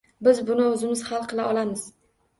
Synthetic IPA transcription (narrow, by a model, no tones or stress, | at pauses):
bɪzbʊnɪʊzɪmɪz̥halˠqʰɨlaʔɒlamɪz̥